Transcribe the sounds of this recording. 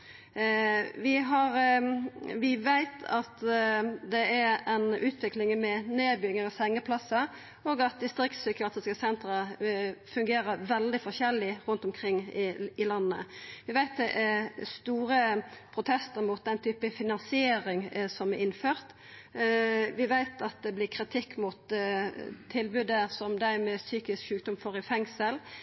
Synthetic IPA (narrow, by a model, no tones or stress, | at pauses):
ʋɪɦɑɾ | ʋɪʋæɪt̪ʰɑt̪d̪ɛɛɾɛnʉːt̪ʰʋɪklɪŋmɛneːbʏɡəɾəshɛŋːəpʰlɑsə | oːɡɑt̪̚d̪ɪst̪ɾɪkt̪sykəɑt̪ɪskəsɛnt̪ɾəfʉŋɡeːɾəɾʋɛld̪ɪfɔʃɛlːɪɾʉnt̪ɔmkʰʁɪŋːɪɪlɑnːəʋɪʋæɪt̪̚d̪ɛʔɛst̪uːɾəpʰɾʊt̪ʰɛst̪əɾmut̪̚d̪ɛnt̪ʰyːpəfɪnɑnsɪeːɾɪŋsɔmɛɾɪnføːʁt̪ | ʋɪʋæɪt̪ɑt̪̚d̪ɛblɪkʰɾɪt̪ʰɪkːmʊt̪ | t̪ʰːɪlbʉd̪əsɔmd̪æɾmɛːsyːkɪskʃʉːk̚d̪ɔmfɔɾɪfɛŋsəl